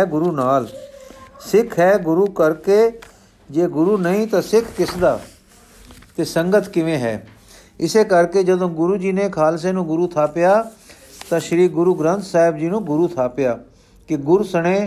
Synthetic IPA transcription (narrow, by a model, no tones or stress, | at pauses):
ɡʊɾuːnaːl | sɪkʰɦɛːɡʊɾuːkəɾkeː | d͡ʒeːɡʊɾuːnəĩːt̪ãːsɪkʰkɪsd̪aː | t̪eːsə̃ŋɡət̪ʰkɪʋẽːɦɛ̰ː | ɪseːkəɾkeːd͡ʒəd̪õːɡʊɾuːd͡ʒiːneːkʰaːls̬eːnũːɡʊɾuːt̪ʰaːpɪjaː | t̪ãːʃəɾiːɡʊɾuːɡɾə̃nt̪saːɦɪbd͡ʒiːnũːɡʊɾuːt̪ʰaːpɪjaː | kɪɡʊɾsəɽ̃ẽː